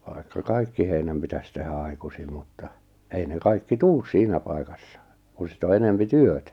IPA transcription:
ʋɑi̞kːɑ kɑikːi heinæm pitæs tehæ ɑi̞kusim mutːɑ ei ne kɑikːi tuːs siːnæ pɑi̞kɑsːɑ kun̞ sit o enempi tyøtæ

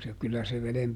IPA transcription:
se kylːæ se ʋelem

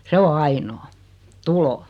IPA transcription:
se o ɑinoː tulo

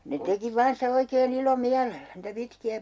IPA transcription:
ne teki ʋɑːn sitæ oikeːn ilomiælelːæ niːtæ pitkiæ

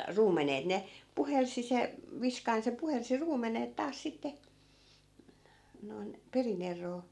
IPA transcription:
ruːmenet ne puhelsi se ʋiskɑin se puhelsi ruːmenet tɑːs sitːe noi̯n perin erˑoː

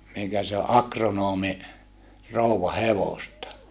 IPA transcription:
miŋkæ se o ʔɑkronoːmi rouwɑ heʋostɑ

